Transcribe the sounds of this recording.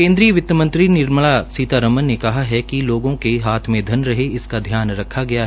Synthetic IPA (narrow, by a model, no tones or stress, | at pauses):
kẽːnd̪ɾijəʋɪt̪ːəmɐ̃nt̪ɾinɪɾməɭasiːt̪aɾɐmənːekɐɦaɦɛkiloːɡõkeɦaːt̪ʰmẽd̪ʱɐnɾɐɦeɪskad̪ʱjaːnɾɐkʰːaɡɐjaɦɛ